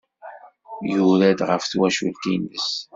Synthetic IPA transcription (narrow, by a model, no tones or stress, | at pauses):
juɾæd̪ʁə̰fθwæʃult̪inəs